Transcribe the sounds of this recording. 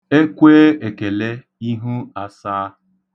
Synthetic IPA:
e˦kʷeː˦e˨ke˨le˦ | i˦ɦu˦a˦saː˦

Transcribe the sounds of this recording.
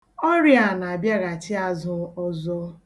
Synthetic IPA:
ɔ˦ɾi˦a˨na˨a˨bja˦ɣa˨t͡ʃɪ˦a˦zʊ˦ɔ˦zɔ˦

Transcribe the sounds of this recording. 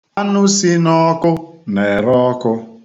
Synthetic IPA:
a˦nʊ˦si˦nɔ˦kʊ˦ne˨ɾɔ˦kʊ˦

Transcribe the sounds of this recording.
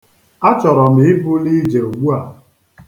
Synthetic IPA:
a˦t͡ʃɔ˨ɾɔ˨m̩˨ɪ˦bʊ˦li˦d͡ʒe˨u˨ɡ͡bu˦a˨

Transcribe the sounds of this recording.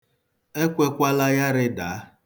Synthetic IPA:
e˦kʷe˦kʷa˦la˦ja˦ɾɪ˦daː˨˦

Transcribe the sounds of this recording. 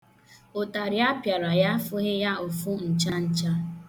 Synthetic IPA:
o˨ta˨ɾja˦pja˨ɾa˨ja˦fʊ˦ɦɪ˦ja˦o˨fu˦n̩˨t͡ʃa˦n̩˨t͡ʃa˦

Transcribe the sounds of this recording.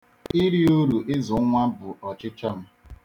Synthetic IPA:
i˦ɾi˦u˦ɾu˨ʔɪ˦zʊ˨˦ŋʷa˦bʊ˨ɔ˨t͡ʃɪ˦t͡ʃa˦m̩˦

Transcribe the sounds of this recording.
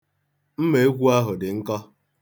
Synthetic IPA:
m̩˦me˨e˦kʷu˦a˦ɦʊ˨dɪ˨ŋ̩˦kɔ˦

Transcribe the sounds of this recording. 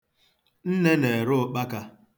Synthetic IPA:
n̩˦ne˦ne˨e˨ɾʊ˦k͡pa˦ka˦

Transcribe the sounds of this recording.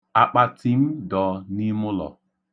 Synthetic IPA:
a˨k͡pa˨ti˦m̩˦dɔ˨ni˦mʊ˦lɔ̰˨

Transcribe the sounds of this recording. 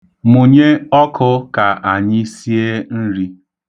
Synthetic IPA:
mʊ˨ɲe˦ɔ˦kʰʊ˦ka˨ʔa˨ɲɪ˦si˦e˦n̩˦ɾi˦

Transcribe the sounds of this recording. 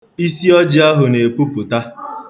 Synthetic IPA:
i˦si˦ɔ˦d͡ʒɪ˦a˦ɦʊ˨ne˨e˨pu˦pʊ˨ta˦

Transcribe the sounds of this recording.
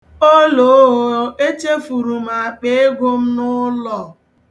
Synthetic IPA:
o˦lo˨˦ɦo˨e˦t͡ʃe˦fu˨ɾu˨m̩˨a˨k͡pe˦e˦ɡʷo˦m̩˦nʊ˦lɔ˨

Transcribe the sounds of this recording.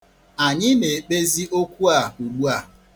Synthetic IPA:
a˨ɲɪ˦ne˨k͡pe˦zi˦ʔo˦kʷu˦a˨u˨ɡ͡bu˦a˦˨

